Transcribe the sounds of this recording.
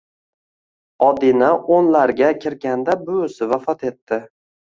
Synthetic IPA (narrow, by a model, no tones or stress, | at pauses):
ɒd̪inaonlaɾɡʲakʲʰɪɾɡʲand̪abʊsɪvafɒt̪ʰe̞t̪ʰːɪ